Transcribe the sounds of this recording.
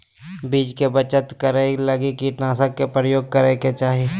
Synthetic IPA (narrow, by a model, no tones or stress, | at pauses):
biːd͡ʒkebət͡ʃət̪kəɾelɐɡikiʈnaːsəkːepɾəjoːɡ̚kəɾeket͡ʃaːɦie